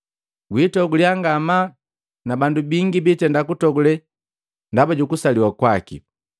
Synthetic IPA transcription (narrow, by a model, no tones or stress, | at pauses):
ɡwitɔɡuliaŋɡama | nabandubiŋɡibitɛndakutɔɡulɛ | ndabaɟukusaliwakwakḭ